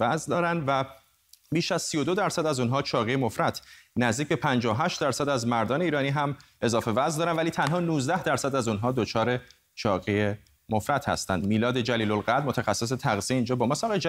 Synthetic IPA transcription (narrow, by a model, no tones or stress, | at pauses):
æzd̪ɒːɾænd̪væ | biːʃæz̥sijo̞d̪o̞d̪æɾsæd̪æzuːnɦɒːt͡ʃʰɒːɣejemofɾæt̪ʰnæzd̪iːcbe̞pʰænd͡ʒɒːoɦæʃt̪d̪æɾsæd̪æzmæɾd̪ɒːne̞iːɾɒːniːɦæm | e̞zɒːfe̞væzd̪ɒːɾænvæliːt̪ʰænɦɒːnuːzd̪æhd̪æɾsæd̪æzunɦɒːd̪ot͡ʃʰɒːɾe̞ | t͡ʃʰɒːɣeje | mofɾæt̪ʰhæ̰st̪æ̰nd̪miːlɒːd̪e̞d͡ʒæliːlolɣæɾd̪mo̞t̪ʰæxæsːe̞s̬et̪ʰæɣzieiːnd͡ʒɒːbɒːmɒːsɒːɣe